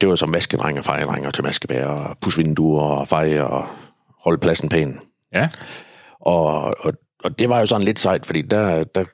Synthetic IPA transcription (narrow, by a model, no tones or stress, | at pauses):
d̥e̝ʋɑo̝sɒ̽mʋæsɡ̥əd̥ʁaŋ̰ɒfɑ̈ɪəd̥ʁaŋ̰ɐt͡sʰemæsɡ̥əb̥ɛ̰ːɐpʰusʋend̥uːɐɒfɑ̈ɪɒ | hɒ̽ləpʰlæsn̩pʰɛ̰ːn̩ | ʔɒɒ | ɒd̥e̝ʋɑ̈jo̝sɒ̽n̩le̝d̥sɑ̈ɪd̥fɒd̥ḭːd̥æd̥æ